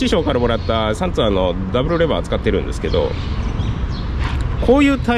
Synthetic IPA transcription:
iɕo̞ːkaɾamo̞ɾat̪ːasãnt͡sɨano̞d̪abɯ̟ɾɯ̟ɾe̞baat͡sɨ̥kat̪ːe̞ɾɯ̟̃nd̪e̞sɨ̥ke̞d̪o̞̰ | kʰo̞ːjɯ̟ːt̪a

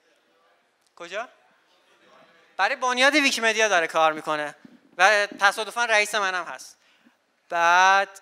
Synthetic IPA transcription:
kʰod͡ʒɒː | b̥æɾɒjbonjɒːd̪ivikʰipe̞d̪ijɒːd̪ɒɾekʰɒːɾmiːkʰo̞ne | væt̪ʰæsɒːd̪o̞fænræiːsemænæmhæ̰st̪ | b̥æːd̪̥

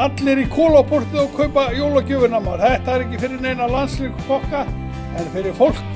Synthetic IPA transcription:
at̪lɪɾikʰɔːlawpʰɔr̥t̪ɪðɔɣkʰœɥpajowlacʏvʏɾnamaɾ̥θɛht̪aaɾɛhcːɪfɪɾɪɾneːjnawlanslekkʰɔhka | ɛnfɪɾɪɾ̥fowl̥k

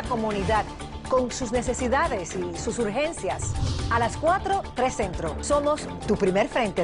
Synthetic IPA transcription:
ko̞mũniðað | ko̞ŋsusne̞se̞siðaðe̞sisusuɾxẽ̞nsjasalaskwat̪ɾo̞t̪ɾe̞sẽ̞nt̪ɾoso̞mos | t̪upɾime̞ɾfɾẽ̞nt̪e

